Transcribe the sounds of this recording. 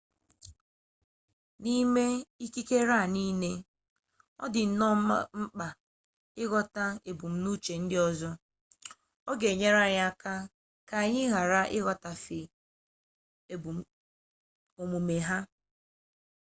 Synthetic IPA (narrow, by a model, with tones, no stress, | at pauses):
ni˦me˦i˦ki˦ke˦ɾa˦˨ni˦ne˦ | ɔ˦dɪ˨n̩˨nɔ˦a˦ŋ͡m̩˦k͡pa˨ | ɪ˦ɣɔ˦ta˦e˨bu˨m̩˦nu˦t͡ʃe˨n̩˦dɪ˦ɔ˦zɔ˦ | ɔ˦ɡe˨ɲe˦ɾa˦ɲa˦˨ka˦ | ka˨ɲɪ˦ɣa˨ɾa˦ʔɪ˦ɣɔ˨ta˨fɪ˨ | e˨bu˨˦ | o˨mu˨me˨ɦa˦